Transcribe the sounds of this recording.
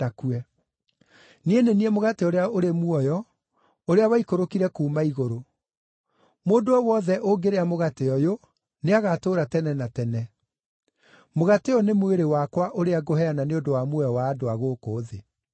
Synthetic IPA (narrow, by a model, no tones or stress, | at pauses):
akuɛ | nieneniɛmoɣateoɾeaoɾemuɔjɔ | oɾeawaikoɾokiɾɛkuːmaiɣoɾo | moːndoɔwɔðɛʔoɡeɾeamoɣateɔjo | neaɣatoːɾatɛnɛnatɛnɛ | moɣateɔnemweɾewakwaʔoɾeaɡohɛananeondowamwɔjwaːdoaɣoːkoːðe